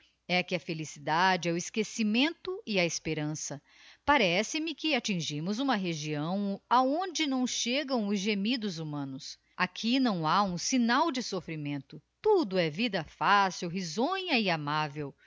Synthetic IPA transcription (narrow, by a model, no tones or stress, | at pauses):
ɛkɪɐfelisid̪ad͡ʒɪɛʊɪskesimẽnt̪ʊɪɐespeɾɐ̃sɐ | paɾɛsɪmɪkɪat͡ʃĩʒĩmʊzũmɐɦeʒiɐ̃w̃aõnd͡ʒɪnɐ̃w̃ʃeɡɐ̃w̃ʊzʒemid̪ʊzumɐ̃nʊs | akʰinɐ̃w̃aũsinawd͡ʒɪsofɾimẽnt̪ʊt̪ud̪ʊɛvid̪ɐfasiwɦizõɲɐɪamavew